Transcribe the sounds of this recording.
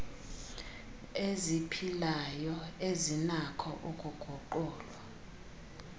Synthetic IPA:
ezipʰilajɔezinakʰɔʔukʼuɡ̥ʱɔǃɔːlwa

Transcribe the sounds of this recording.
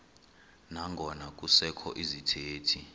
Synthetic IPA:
naŋɡʱɔnak̬ʼusɛkʰɔ̰ʔizitʰeːtʰi

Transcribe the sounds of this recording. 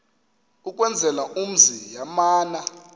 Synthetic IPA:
uk̬ʼwɛnd͡zʱɛlaʔum̩zijamaːna

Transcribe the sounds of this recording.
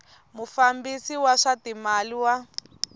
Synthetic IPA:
mufambisiwaʂatimaliwa

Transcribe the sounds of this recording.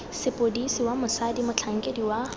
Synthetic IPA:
sepodisiwamɐsadimɐt͡ɬʰaŋɡediwa

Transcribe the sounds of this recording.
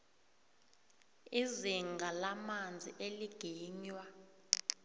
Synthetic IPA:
iziŋɡʱalamand͡zʱiʔeliɡ̥ʱiːɲwa

